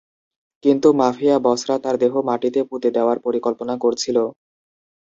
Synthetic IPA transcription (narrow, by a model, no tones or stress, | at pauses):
kint̪umafiabɔsɾat̪aɾd̪eɦomaʈit̪eput̪ed̪eoaɾpoɾikɔlponakoɾt͡ɕʰilo